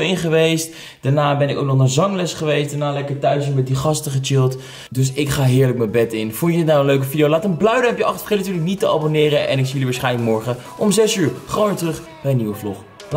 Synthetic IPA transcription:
ɪnχəʋejst | d̥anaːbɛnɪkowk̚nɔχəzɑŋlɛsχəʋejstdanaːlɛkəɹtœɥsmɛt̚diχɑstəχət͡ʃɪlˠt | dɵs̬ɪkχaːɦɪːɹlək̚məbɛtɪnfʊnədɪtnaːənløɥkəfidijowlaːtəmblœɥdəɛpjəɑχtfejlntyːɹləknitəɑ̰bonɪːɾəʔɛ̰nɪksijəliʋaːsχɛjnələkmɔɹχə | ʔɔmzɛsyːɹχonʋɪːɹtərɵχ | b̥ɛjəniʋəflɔχ

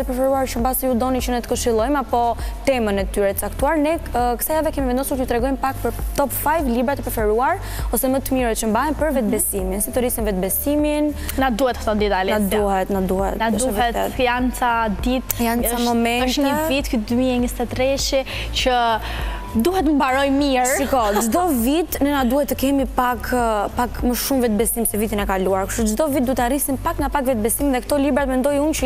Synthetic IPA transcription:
əpɾɛfɛɾuaɾt͡ʃəmbasɛjud̪ɔnit͡ʃənɛt̪ə̥kəʃilˠɔjmapɔt̪ɛmənɛt̪yɾɛt̪ət͡sakt̪uaɾnɛkkə̥sajavɛkɛmivɛnd̪ɔsuɾkut̪ɾɛɡɔjmpakpəɾt̪ɔpfajvlibɾat̪əpɾɛfɛɾuaɾ | ɔsɛmət̪əmiɾət͡ʃəmbaɦɛmpəɾvɛt̪̚bɛsiminsɛt̪uɾisinvɛt̪̚bɛsimin | nat̪̚d̪uhɛt̪ht̪ɔd̪it̪alɛad̪uhɛt̪nad̪uhɛ̰t̪nad̪uɛt̪ɛ̰kant͡sad̪it̪jant͡samɔmɛnəʃɲəvit̪kyd̪ymiɛɲəst̪ɛt̪ɾɛʃɛ | cə | d̪uhɛt̪mbaɾɔjmisɾikɔd͡ʒd̪ɔvit̪nɛnad̪uhɛt̪ːəkɛmipakʰpakməʃumvɛt̪̚bɛsimsɛvit̪inɛkaluaɾkuʃud͡ʒd̪ɔvit̪̚d̪ut̪ɛaɾisinpakŋɡapakvɛt̪̚bɛsiminðɛkt̪ɔlibɾat̪mɛnd̪ɔjunt͡ʃə

